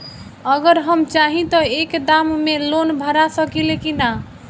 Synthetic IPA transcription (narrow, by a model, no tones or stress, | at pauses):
əɡəɾɦəmt͡ʃaɦĩt̪ɔekd̪ammelonbʱəɾasəkilekina